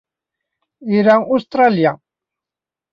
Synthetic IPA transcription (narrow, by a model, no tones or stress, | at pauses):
iɾaŋust̪ɾalija